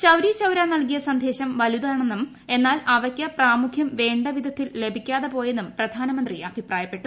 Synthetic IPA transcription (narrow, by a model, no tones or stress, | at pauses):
t͡ɕɐwɾit͡ɕɐwɾaːnɐlkijɐsɐnd̪ʱe̞ːɕɐmʋɐlud̪aːɳenːum | e̞nːaːlɐʋɐkʲːɐpraːmukʰjɐmʋe̞ːɳɖɐʋid̪ʱɐt̪ːille̞bʱikʲːaːðepo̞ːje̞nːumprɐd̪ʱaːnɐmɐnd̪riɐbʱipraːjɐpːe̞ʈːu